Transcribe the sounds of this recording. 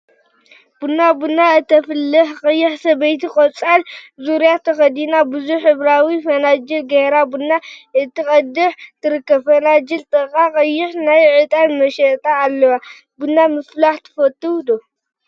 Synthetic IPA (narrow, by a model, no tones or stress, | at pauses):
b̥unːabunːaɨt̪ʰːɐfɨlːɨħqʼɐjːɪħsɐbɐjt̪ikʼɔt͡sʼalzuɾjat̪ʰɐxɐd̪inabɨzuħɨβɾawifɐnad͡ʒɐlɡɐhɾabunːaɨt̪ʰːikʼɐd̪ɨħt̪ʰɨɾɨkːɐbfɐnad͡ʒɨlt̪ʼɐkʼakʼɐjːɪħnajʕɨt̪ʼanmɐʃɐʔt̪ʼaːlːɐwa | bunːamɨflaħt̪ʰɨ̥fɐt̪ːuwd̪o